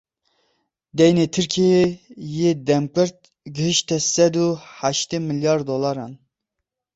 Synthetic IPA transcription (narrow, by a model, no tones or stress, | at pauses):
d̪ɛjnet̪ʰɨɾkʰiejed̪ɛmkɨɾt̪̚ | ɡəɦɨʃt̪ɛsɛd̪uhaʃt̪emɨljɑːɾd̪olˠɑɾɑn